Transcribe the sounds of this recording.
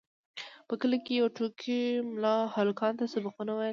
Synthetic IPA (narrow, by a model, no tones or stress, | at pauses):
pəkəlakejawʈukʰimlɑhɑlʊkɑnt̪asabaqunawaj